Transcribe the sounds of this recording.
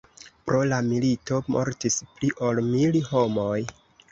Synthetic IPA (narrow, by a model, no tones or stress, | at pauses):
pɾo̞lamilito̞mʔo̞̰ɾtispliʔo̞lmilho̞mo̞j